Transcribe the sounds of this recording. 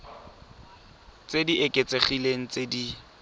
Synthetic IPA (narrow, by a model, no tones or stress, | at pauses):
t͡sediʔekʼet͡sʼeχileŋ̩t͡sedi